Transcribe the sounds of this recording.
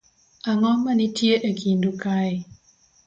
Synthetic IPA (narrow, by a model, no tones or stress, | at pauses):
ʔaŋɔmːanitʰiəʔəkʰindukaj